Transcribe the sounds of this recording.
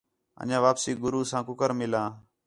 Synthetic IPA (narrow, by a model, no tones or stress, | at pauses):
ə̰ɲãːʋaːpsiːɡʊɾuːsãːkʊkəɾmɪlãː